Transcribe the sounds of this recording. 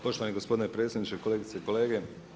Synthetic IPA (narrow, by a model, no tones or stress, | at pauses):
po̞ʃt̪oʋaneɡospo̞d̪ɪnepɾe̞ːtsʲjed̪nit͡ʃeko̞leːɡit̪se̞ko̞le̞ːɡe̞